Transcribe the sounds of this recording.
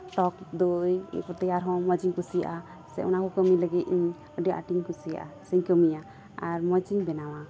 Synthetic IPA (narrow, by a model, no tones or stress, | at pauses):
ʈɔk̚d̪ojḭkɔt̪ɛjaɾɦɔ̃məd͡ʒiɲkusija̰ʔa | sɛ̰ʔunakɔkəmiləɡit̪iɲ | əɖəʔa̰ʈiɲkusija̰ʔa̰səɲkəmija | aɾməd͡ʒiɲbɛnawa